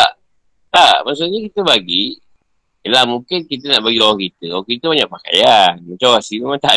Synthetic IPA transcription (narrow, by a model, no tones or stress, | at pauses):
t̪aʔ | t̪aʔmaʔsuʔɲakit̪əbaɡi | lamukɪnkit̪̬ənaʔbaɡilawaŋkit̪əawakit̪əbaɲaʔpaka̰janmat͡ʃamasimamat̪aʔ